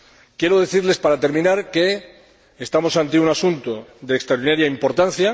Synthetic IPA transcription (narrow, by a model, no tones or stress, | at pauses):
kje̞ɾo̞ð̞e̞θiɾle̞spaɾat̪e̞ɾmĩnaɾke̞ː | st̪amo̞sant̪eunasunt̪oðe̞ːkst̪ɾaoɾðinaɾjaimpo̞ɾt̪an̟θja